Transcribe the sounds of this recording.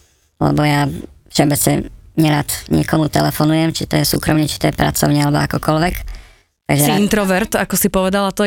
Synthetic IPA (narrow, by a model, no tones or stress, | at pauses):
lɛ̰bɔjafʃɛbɛt͡sɲɛ̰ɲɛɾaːt̪ɲɪɛkɔmut̪ɛlɛfɔnujɛmt͡ʃit̪ɔjɛsṵːkɾɔmɲɛt͡ʃi̥t̪ɔjɛpɾa̰t͡sɔ̰ʊɲɛalɛbɔakɔkɔlʋɛk | t̪aɡʒɛint̪ɾɔʋɛɾt̪akɔsipɔʋɛd̪alat̪ɔ